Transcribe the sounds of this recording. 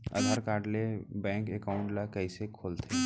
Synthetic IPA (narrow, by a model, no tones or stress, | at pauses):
ə̰d̪ʱaːɾkaːɖlebɛ̃ːŋkekaːʊ̃ɳʈlakəisekʰoːlt̪ʰeː